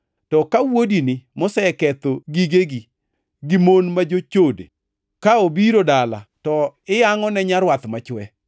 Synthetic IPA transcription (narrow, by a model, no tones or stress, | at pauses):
tɔkawodinɪmosɛɛkɛt̪oɡiɡeɡi | ɡimonmad͡ʒot͡ʃodḛ | kaobiɾodala̰tɔɪjaŋɔnɛɲaɾwat̪mat͡ʃwɛ